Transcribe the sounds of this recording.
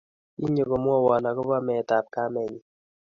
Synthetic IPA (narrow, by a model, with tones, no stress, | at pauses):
i˦ɲo˨ko˨mwɔ˦wa˨na˨kɔ˦pa˦mɛ˨ta˨p̚ka˦mɛ˨ɲi˨